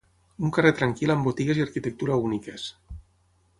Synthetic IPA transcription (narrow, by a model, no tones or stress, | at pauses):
uŋkaret̪ɾaŋkilambot̪iɣeziaɾkit̪ək̚t̪uɾaunikes